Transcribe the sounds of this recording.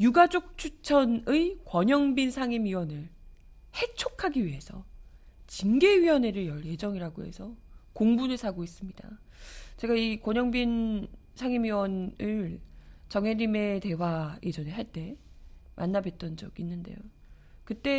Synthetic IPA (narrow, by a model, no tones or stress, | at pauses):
juɡad͡ʑok̚t͡ɕʰut͡ɕʰʌnɯikwʌɲʌŋbinsʰaŋimɥiwʌnɯɭ | he̞t͡ɕʰokʰaɡiɥiɦe̞sʰʌt͡ɕinɡe̞ɥiwʌne̞ɾɯɭjʌɭje̞d͡ʑʌŋiɾaɡo̰ɦe̞̰sʰʌkoŋbunɯɭsʰaɡois͈ɯmɲida̰ | t͡ɕe̞ɡaikwʌɲʌŋbin | sʰaŋimiwʌnɯɭt͡ɕʌŋɦe̞ɾime̞te̞wajʔe̞d͡ʑʌneɭɦaɭt͈e̞mʔa̰nːabe̞t̚t͈ʌnd͡ʑʌɡinːɯnde̞̰jo | kɯt͈e̞